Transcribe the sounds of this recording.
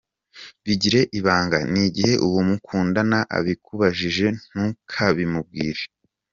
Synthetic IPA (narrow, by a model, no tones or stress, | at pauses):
βiɟiɾe̞ʔiβaːŋɡaniɟihe̞ʔuβumukʰuːndanaʔa̰βikʰuβaʒiʒe̞n̥hukʰaβimub̚ɡiːɾe